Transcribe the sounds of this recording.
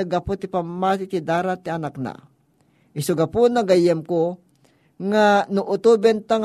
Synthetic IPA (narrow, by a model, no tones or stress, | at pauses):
aɡapʊt̪ɪpamːat̪ɪt̪ɪd̪aːɾat̪ːiɐnak̚na̰ | ʔɪsʊɡapunaɡajɛmko | ŋanʊʔʊt̪ubɛnt̪aŋ